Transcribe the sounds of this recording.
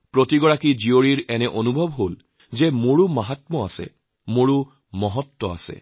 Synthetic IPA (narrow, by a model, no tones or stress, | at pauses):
pɹotiɡɔɹakizioɹiɹɛnɛʔonubʱɔbɦol | zɛmoɹumaɦatmɔa̰sɛ̰ | moɹu | mɔɦɔtːɔa̰sɛ̰